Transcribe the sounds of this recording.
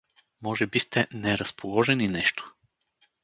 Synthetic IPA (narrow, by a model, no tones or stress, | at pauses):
mɔʒɛbist̪ɛnɛɾɐspolˠɔʒɛninɛʃt̪o̥